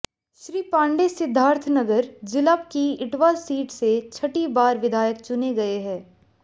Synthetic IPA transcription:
ʃɾiːpãːɳɖesɪd̪ʱːaːɾt̪ʰnɐɡəɾd͡ʒɪləpkiɪʈʋaːɾsiːʈset͡ʃʰɐʈibaːɾʋɪd̪ʱaːjək̚t͡ʃʊneɡɐeɦɛ̃ː

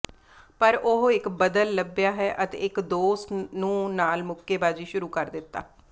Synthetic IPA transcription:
pəɾoɦɪkbəd̪əlːəbjaːɦɛːʔət̪ḛːɪkd̪oːsnũːnaːlmʊkːeːbaːd͡ʒiːʃʊɾuːkəɾd̪ɪt̪ːa̰ː

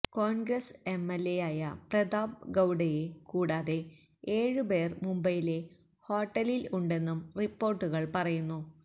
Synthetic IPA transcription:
koːɳɡrɐse̞mːelːejaːjɐpred̪aːb̚ɡɐwɖɐjekuːɽaːðe̞ | eːɻɨbe̞ːrmumbɐjile̞ | ho̞ːʈːɐliluɳɖe̞nːumripːo̞ːrʈːuɣɐɭpɐrɐjunːu

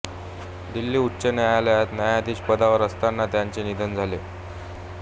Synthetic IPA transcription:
d̪ilːiːutːɕənajaləjat̪najad̪ʱiːɕpəd̪aʋəɾəst̪anːat̪jaɲt͡senid̪ʱənd͡zʱale

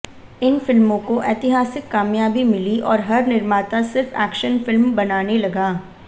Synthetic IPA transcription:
ɪnfɪlmõkoʔeːt̪ɪɦaːsɪkːaːmjaːbimɪliʔɔːɾɦɐɾnɪɾmaːt̪asɪɾfɛ̰ːkʃənfɪlmbɐnaːnelɐɡaː

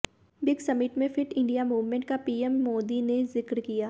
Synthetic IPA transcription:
bɪɡsɐmɪʈmẽfʰɪʈɪ̃ɳɖijamuːʋmẽɳʈ̚kapiːemːoːd̪inezɪkɾkijaː

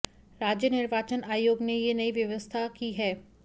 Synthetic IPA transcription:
ɾaːd͡ʒjənɪɾʋaːt͡ʃənaːjoːɡnejenɐiʋjɐʋəst̪ʰakiɦɛː

